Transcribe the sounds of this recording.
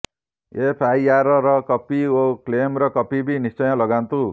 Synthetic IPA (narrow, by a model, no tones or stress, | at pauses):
epʰajaɾɔɾʌkʌpioklemɾʌkʌpibinist͡ʃʌjʌ̃lʌɡant̪u